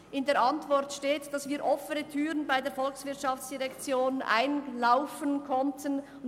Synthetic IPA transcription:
ʔɪndeːɐɾʔɑntv̥ɔʁtʃteːtd̥ɑsviːɾʔɔfənətʰyːʁənbaɪdeːɐfɔlksv̥ɪɐtʃɑft͡sd̥iʁɛkt͡sjoːnʔa̰ɪnlaʊfənkʰɔntʰən

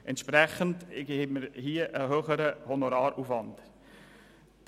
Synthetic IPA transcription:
ʔɛnt̪ʃpɾɛχəndɡheməɾhiəʔəɦøːχəɾəhɔnoɾɑːɾuːfʋɑnd

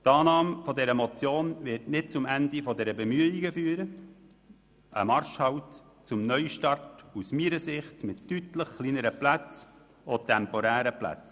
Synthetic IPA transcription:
tɑːnɑːmfɔdɛɾəmɔt͡sjoːnvɪrtnɪt̚t͡sʊmænd̪ifɔdɛɾəbɛmyəiɡəfyːəɾə | ʔə̰mɑɾʃhɑwt | t͡sʊmnœʏʃtɑrtusmiːɾəsɪχtmɪtːytləχkliːnəɾəplæt͡s | ɔt̪ɛmpɔɾæːɾəplæ̰t͡s

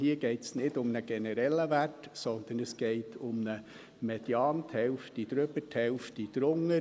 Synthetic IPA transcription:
hiːəɡ̥ɛɪtsnɪdʊmnəɡ̥ɛnəɾɛlːəvætsɔnd̪ənəsɡ̥eɪtʰʊmnə | mɛd̥jɑːntʰhɛlftid̪̥ɾøbətʰhɛlftid̪̥ɾʊŋːə

